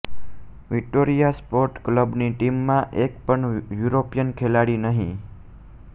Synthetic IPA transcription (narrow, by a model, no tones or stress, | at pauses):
ʋɪk̚ʈoɾijaspoɾʈkləbniʈimːãʔekpəɳjuɾopijənkʰelaɽinəɦĩ